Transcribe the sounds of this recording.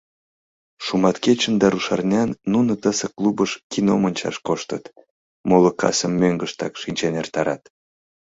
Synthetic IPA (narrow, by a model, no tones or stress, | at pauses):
ʃumɑt̪ket͡ɕənd̪ɑɾuʃɑrnʲɑnːunət̪əseklˠubəʃkʲino̰mənʲt͡ɕɑ̰ʃkoʃt̪ət̪ | molə̆kʰɑ̰səmːøŋɡəʃt̪ɑkʃinʲt͡ɕenert̪ɑɾɑt̪